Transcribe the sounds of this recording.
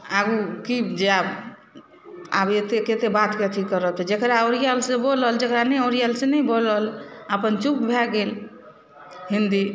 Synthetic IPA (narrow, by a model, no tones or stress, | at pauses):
aɡukid͡ʒeab | a̰bet̪eket̪ebat̪ket̪ʰikːəɾət͡ʃʰɛd͡ʒekɾaoɾijəlseboləld͡ʒekɾanɛoɾijəlsenɛbolələpənt͡ʃup̚bʱɛɡel | ɦind̪i